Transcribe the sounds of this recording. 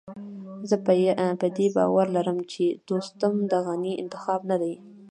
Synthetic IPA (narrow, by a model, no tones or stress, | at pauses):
zəppəd̪ebɑ̰waɾlaɾəmt͡ʃed̪ost̪amd̪əɣaniɪ̰nt̪ɪ̥xɑbnad̪aj